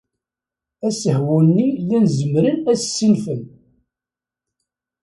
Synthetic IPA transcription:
æsəhwunnːilænzəmɾənæssːinfən

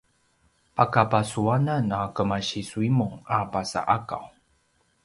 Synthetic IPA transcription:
akapasuananakəmaɕisuimuŋapasa̰ʔaka̰w

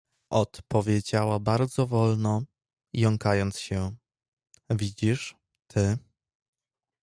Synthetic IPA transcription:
ʔɔt̪pɔvʲjed͡ʑawabaɾd̪zɔvɔlnɔ | jɔŋkajɔnt̪sɕɛ | vʲid͡ʑiʂ | t̪ʰɘ

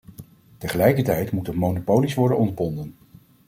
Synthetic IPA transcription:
təχəlɛjkəɹtɛjtmutətmownopowlisʋɔɹdənɔndəbɔndən

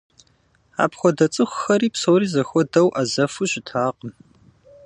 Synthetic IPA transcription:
a̰ːpxʷɔdɐt͡sʼɨxʷxɐɾiːpsowriːzɐxʷɔdɐwʔazɐfuɕɪtʰaːqəm

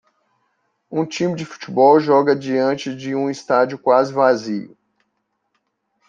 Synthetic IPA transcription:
ũt͡ʃĩmɪd͡ʒɪfu̥t͡ʃibɔwʒɔɡɐd͡ʒiɐ̃t͡ʃɪd͡ʒɪũist̪ad͡ʒiʊkwazɪvaziʊ̰

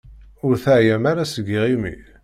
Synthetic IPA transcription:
ʊɾθaʕjæmaɾasəɡːiʁimḭ

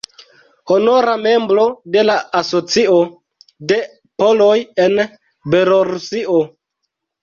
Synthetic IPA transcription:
ho̞no̞ɾame̞mbɾo̞de̞laaso̞t͡sio | de̞ | po̞lo̞je̞n | be̞loɾusiʔo

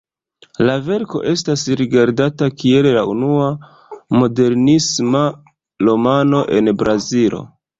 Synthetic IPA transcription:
lave̞ɾko̞̰ʔe̞stasɾiɡaɾdatakie̞llaunua | mo̞de̞ɾnisma | lo̞mano̞ʔe̞nbɾʔazilo̞̰

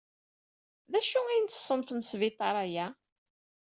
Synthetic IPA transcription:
ðæʃuæjənt̪ːə̥sˤːənfənsvɪt̪ˤɑɾˤæjæ

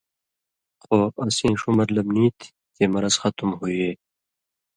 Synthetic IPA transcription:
xoːɐsĩːʂumɐɾlɐbnĩːt̪ʰ | t̪eːmɐɾɐz̥xʌt̪umhuieː

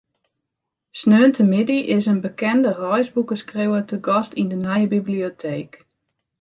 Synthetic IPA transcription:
snøːntʰəmɪdiʔɪsənbəkɛndərɔjsbukəskrewətəɡɔstindənajəbibliotʰeːk

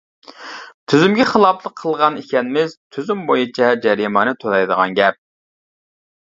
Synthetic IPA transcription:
t̪ʰyzymɡʲɛχəlˠɑplˠəqʰːəlˠʁɑnikʲɛnɪmɪz̥t̪ʰyzymbojut͡ʃʰɛd͡ʒɛɾimɑnɨt̪ʰolˠɑjd̪əʁɑ̰nɡʲɛp̚

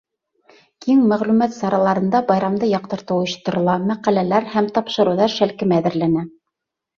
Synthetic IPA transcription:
kiŋmæʁlʉmæt̪sɑɾɑlˠɑɾɤ̆nd̪ɑbɑjɾɑmd̪ɤjɑqt̪ɤ̆ɾt̪ɤ̆wŏjɤ̆ʃt̪ɤ̆ɾŏlˠɑmæqælælæɾhæmt̪ɑpʃɤ̆ɾɤ̆wðɑɾʃælkɘmææðɘ̆ɾlænæ

